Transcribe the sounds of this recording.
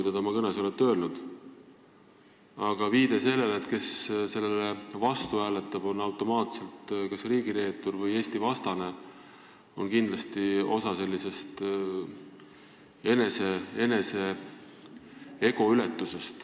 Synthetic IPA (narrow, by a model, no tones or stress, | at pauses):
kujt̪ɑt̪ɑmɑkɤneso̞let̪ːˑøːlnud̪̥ | ɑɡ̥ɑviːd̪̥e̞se̞lːe̞lːt̪ke̞sse̞lːelevɑst̪uæːlet̪ːˑɑb̥o̞nɑwt̪ˑo̞mɑːt̪se̞lt̪kɑsriːɡ̥iɾe̞ːt̪ːˑurvɤje̞ːst̪ivɑst̪ɑne̞ | o̞̰nkind̪lɑst̪io̞sɑse̞lʲːise̞st̪ | e̞nesee̞ne̞se̞ | e̞ɡ̥o̞ylet̪ːuse̞st̪